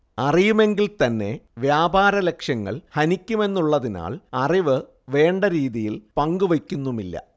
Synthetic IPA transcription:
ɐrijume̞ŋɡilt̪ɐnːe̞ʋjaːbaːɾɐle̞kʂjɐŋːɐ̰ɭhɐnikʲːume̞nːuɭːɐðina̰ːɭɐriʋɨ | ʋe̞ːɳɖɐɾiːðijilpɐŋɡuʋekʲːunːumilːɐ̰

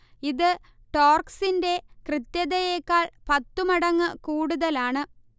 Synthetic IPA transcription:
iðɨ | ʈoːrksinde̞krɨt̪jɐðɐjeːkːaːɭpɐt̪ːumɐɽɐŋːɨkuːɽuðɐlaːɳɨ

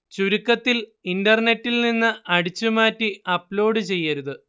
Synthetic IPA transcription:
t͡ɕuɾukːɐt̪ːilindɐrne̞tːilninːɨɐɽit͡ɕːumaːtːiɐplo̞ːɽɨt͡ɕe̞jːɐɾuðɨ

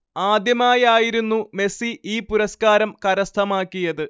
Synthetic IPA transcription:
aːd̪jɐmaːjaːjiɾunːume̞siiːpuɾɐskaːɾɐmkɐɾɐst̪ʰɐmaːkːijɐðɨ

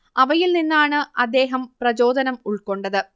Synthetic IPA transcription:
ɐʋɐjilninːaːɳɨɐd̪ːe̞ːɦɐmprɐd͡ʑo̞ːd̪ɐnɐmuɭko̞ɳɖɐðɨ

